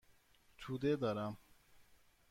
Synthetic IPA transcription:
t͡ɕʰud̪ed̪ɐɾam

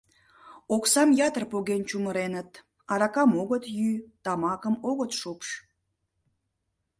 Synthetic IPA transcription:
oksɑmjɑt̪ərpoɣent͡ɕuməɾenət̪ | ɑɾɑkɑmoɣət̪jyt̪ɑmɑkəmoɣət̪ʃopʃ

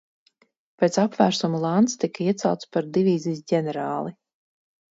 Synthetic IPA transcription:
peːt̪sapvæːɾsumulˠant̪st̪ikiɛt̪sawt̪spaɾd̪ivʲiːziːs̬ɟʲɛnɛɾaːlˠi

